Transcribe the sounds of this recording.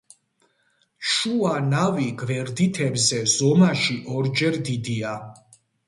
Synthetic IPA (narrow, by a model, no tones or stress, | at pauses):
ʃuanaviɡvɛɾd̪it̪ʰɛbzɛz̥ɔmaʃiʔɔɾd͡ʒɛɾd̪id̪ia